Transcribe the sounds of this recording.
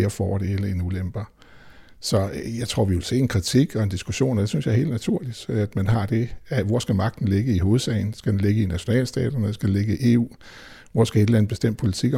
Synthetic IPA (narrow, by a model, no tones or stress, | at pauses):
ɐfɒ̰ːd̥eelɐenulemb̥ɐ | sɒ̽jɑ̈ɪt͡sʰʁo̝ɐ̰ʋiʋe̝lse̝̰ːenkʰʁit͡sʰiɡ̥ɒ̽e̝nd̥isɡ̥uɕo̝̰ːnɒd̥e̝synsjɑ̈he̝̰ld̥næt͡sʰuɐ̰lid̥æd̥mænɦɑ̈d̥e̝æʋɒsɡ̥æmɑ̈ɡ̥̚d̥n̩le̝ɡ̥əiɦo̝ːð̞̩ˠsɛ̰ɪn̩sɡ̥æd̥enle̝ɡ̥əinæɕo̝nɛ̰ːlsd̥ɛ̰ːd̥ɐnəsɡ̥æd̥ele̝ɡ̥əiʔe̝̰ːṵː | ʋɒsɡ̥æe̝d̥læn̩b̥e̝sd̥em̰d̥̚pʰo̝lit͡sʰiɡ̥